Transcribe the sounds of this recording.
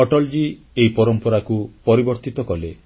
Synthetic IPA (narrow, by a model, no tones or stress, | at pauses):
ɔʈɔld͡ʒi | eipɔɾɔmpɔɾakupɔɾibɔɾt̪it̪ɔkɔle